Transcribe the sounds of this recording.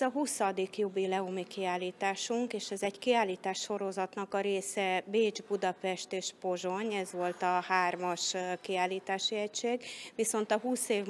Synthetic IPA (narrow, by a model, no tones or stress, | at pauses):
ɒɦusɒd̪ikjobilɛomikiaːliːt̪aːʃuŋkeːʃɛzɛɟkiaːliːt̪aːʃːo̞ɾo̞zɒt̪nɒkɒɾeːsɛbeːd͡ʒbud̪ɒpɛʃt̪eːʃpo̞ʒo̞ɲɛzʋo̞lt̪ɒhaːrmɒʃkiaːliːt̪aːʃiɛcʃeːɡʋiso̞nt̪ɒɦuːseːv